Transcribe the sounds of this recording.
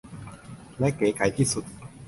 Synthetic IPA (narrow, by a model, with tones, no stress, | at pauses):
lɛ˦˥keː˨˦ka˨˦jt̪ʰiː˥˩su˨˩t̪̚